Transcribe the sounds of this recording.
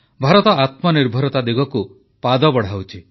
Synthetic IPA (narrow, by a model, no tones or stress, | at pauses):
bʱaɾɔt̪ɔat̪mɔniɾbʱɔɾɔt̪ad̪iɡɔku | pad̪ɔbɔɽ̤awt͡ʃʰi